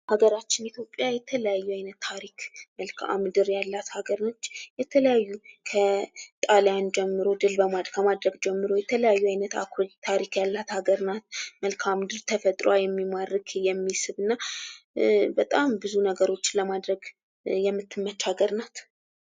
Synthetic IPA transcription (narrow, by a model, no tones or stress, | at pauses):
haɡəɾat͡ʃːɪnit̪ʰjo̞pʼːjajɛt̪ʰələjajːuajnət̪ʰːaɾikməlkʰa̰mɨd̪ɨɾjalːat̪haɡəɾnot͡ʃːjɛt̪ʰələjajːukʰət̪ʼaljand͡ʒɛmːɨɾo̞d̪ɨlbəmakʰəmad̪ɾəɡd͡ʒɛmːɨɾo̞jɛt̪ʰələjajːuajnət̪a̰kʰot̪ʰaɾikjalːat̪haɡəɾnat̪məlkʰamd̪ɨɾt̪ʰəfət̪ʼɾoajɛmːimarɨɡjɛmːisɨβɨnːa | bət̪ʼambɨzunəɡəɾo̞t͡ʃːləmad̪ɾəɡ | jɛmːɨt̪ʰːɨmːət͡ʃːaɡəɾnat̪